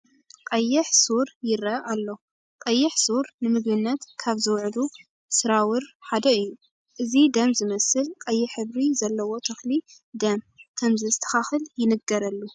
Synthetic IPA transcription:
kʼɐjːɪħsuɾjɪɾɐʔalːo̞ | kʼɐjːɪħsuɾnɨmɨɡbɨnːat̪kʰaβzɨwʕlu | sɨɾawɨɾħad̪ɐɨjːu | ʔɨzid̪ɐmzɨmɐsɨlkʼɐjːɪħɨβɾizɐlːɐwo̞t̪ʰɐxli | d̪ɐm | kʰɐmzɨzɨt̪ʰːɐ̥xaxɨljɪnɨɡɐɾɐlːu

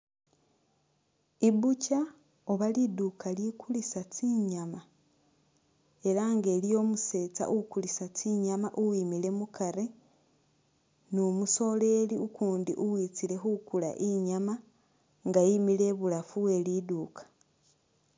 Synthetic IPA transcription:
iβuca | oβalidukʰalikulisat͡siɲama | e̞ɾaŋɡe̞ːlijo̞ːmuse̞ːt͡sa̰ʔukulisat͡siɲamaʔuwiːmile̞mukʰaɾe | nomuso̞ːle̞ːliukuːndḭʔuwiːt͡sile̞xukula̰ʔiɲama | ŋɡajimile̞βulafue̞liduːkḁ

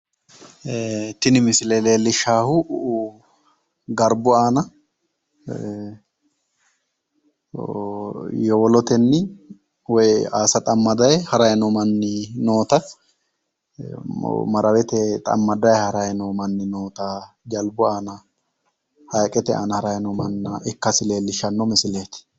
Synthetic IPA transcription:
t̪ɪnɪmɪsɪleleːlɪʃaːhʊʔʊʔ | ɡɐɾbʊaːnɐ | jɔwɔlɔt̪ɛnːɪ | wɔjaːsɐt̪ʼɐmːɐd̪ɐjɛhɐɾɐjɛnɔmɐnːɪnoːt̪ɐ | mɐɾɐwɛt̪ɛt̪ʼɐ̰mːɐd̪ɐjhɐɾɐjɛnɔmɐnːɪnoːt̪a | d͡ʒɐlbʊaːnɐ | hɐjkʼɛt̪ɛʔa̰ːnɐhɐɾɐjnɔmɐnːɐʔɛkːɐsɪle̞ːlːɪʃɐnːɔmɪsɪleːt̪ɪ̥

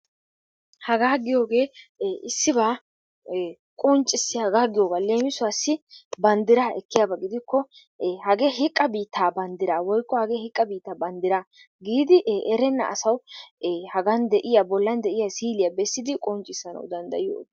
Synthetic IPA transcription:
hɐɡaːɡɪjo̞ːɡe̞ːɪsːɪbaː | kʼɔnt͡ʃʼɪsːɪhɐɡaːɡɪjo̞ːɡaːle̞ːmɪsʊasːɪbɐnd̪ɪɾaːʔɛkːɪjaːbɐɡɪd̪ɪkːɔ | hɐɡeːɦɪkʼːɐbiːt̪ːaːbɐnd̪ɪɾaːwɔjkːɔhɐɡeːhɪkʼːɐbiːt̪ːaːbɐnd̪ɪɾa | ɡiːd̪ɪʔʔɛɾɛnːɐ̰ɐ̰sɐw | hɐɡɐnd̪ɛʔɪjabɔlːɐnd̪ɛʔɪjasiːlɪjɐbɛsːɪd̪ɪkʼɔnt͡ʃʼːɪsːɐnɐ̰wd̪ɐnd̪ɐ̰jɪjo̰ːd̪

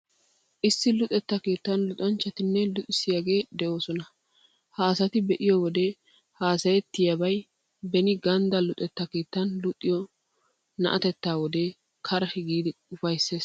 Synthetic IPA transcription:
ʔɪsːɪlʊt̪ʼɛt̪ːɐke̞ːt̪ːɐnlʊt̪ʼɐnt͡ʃːɐt̪ɪnːɛlʊt̪ʼɪsɪjaɡe̞ːd̪ɛʔo̞ːsɔnɐ | haːsɐt̪ɪbɛʔɪjɔwɔd̪e | haːsɐjɛt̪ːɪjɐbɐj | bɛnɪɡɐnd̪ɐlʊt̪ʼɛt̪ːɐke̞ːt̪ːɐnlʊt̪ʼːɪjɔ | nɐ̰ʔɐt̪ɛt̪ːaːwɔd̪eː | kʰɐɾɐhɪɡiːd̪ɪʊfɐjsːe̞ːs

